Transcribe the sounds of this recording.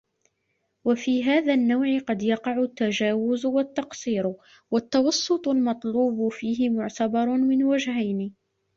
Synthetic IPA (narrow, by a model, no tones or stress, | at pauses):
wafiːɦaːðaːnːawʕɪqɑd̪jɑqɑʕʊt̪ːad͡ʒaːwʊzwat̪ːɑqsˤiːɾ | wat̪ːɑwɑsˤːʊt̪ˤʊlmɑt̪ˤluːbʊfiːɦɪmʊʕt̪abɑɾˤmɪnwad͡ʒhajni